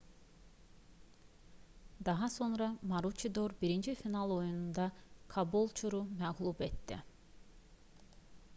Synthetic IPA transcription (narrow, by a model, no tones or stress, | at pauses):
d̪ɑɦɑso̞nɾɑmaɾut͡ʃʰid̪oɾbiɾind͡ʒifinalˠo̞junund̪ɑkʰabolˠt͡ʃʰuɾumɛɣlˠubet̪ːḭ